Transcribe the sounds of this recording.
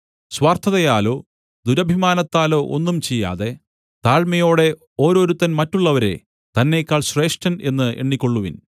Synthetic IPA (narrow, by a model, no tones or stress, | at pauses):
swaːrt̪ʰɐðɐjaːlo̞ː | d̪uɾɐbʱimaːnɐt̪ːaːlo̞ːʔo̰nːumt͡ɕejːa̰ːðe̞ | t̪aːɻmɐjo̞ːɽe̞ | o̞ːɾo̞ːɾut̪ːɐnmɐtːuɭːɐʋɐɾe̞̰ | t̪ɐnːe̞ːkʲːaːɭɕre̞ːʂʈɐne̞nːɨʔeɳːikʲːoɭːuʋin